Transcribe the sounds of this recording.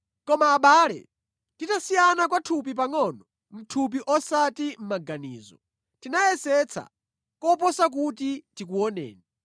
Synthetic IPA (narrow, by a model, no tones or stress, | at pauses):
kɔmaːɓaːlɛ̰ | titasijanakwatʰup̬ip̬aŋɔnɔ | m̩tʰup̬iʔɔsatim̩maɡanḭːzɔ̰ | tinajɛsɛt͡sʰa̰ | kɔpɔsak̬ut̬itik̬uɔnɛ̰ːni